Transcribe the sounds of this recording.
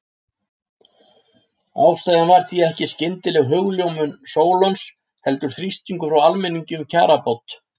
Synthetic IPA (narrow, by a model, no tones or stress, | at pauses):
aːwst̪ajðanvaɾ̥θiɛhcɪscɪnt̪ɪlɛɣɦœɣljowmʏnsoːwlɔwns | hɛl̪t̪ʏɾ̥θɾist̪iŋkʏfɾawalmɛnːiɲcʏmcʰa̰ːɾapɔwt̪